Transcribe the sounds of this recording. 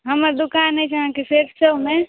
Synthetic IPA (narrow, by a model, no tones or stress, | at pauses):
ɦəməɾd̪ʊkaːnːɛ̃t͡ʃaɦãkeseʈsəmẽ